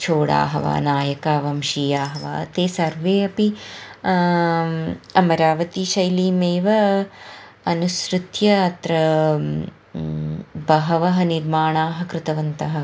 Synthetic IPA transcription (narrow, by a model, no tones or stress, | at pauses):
t͡ʃʰoːɽa̰ːɦɐʋa̰ːnaːjɐkaːʋɐmʃiːjaːɦɐʋa̰ːɐt̪eːsɐɾʋeːɐpi | ɐmɐɾaːʋɐt̪iʃɐjliːmeːʋɐ | ɐnusɾut̪jɐːt̪ɾɐ | bɐɦɐʋɐɦɐ̆niɾmaːɳaːɦɐ̆kɾɪt̪ɐʋɐnt̪ɐɦɐ̆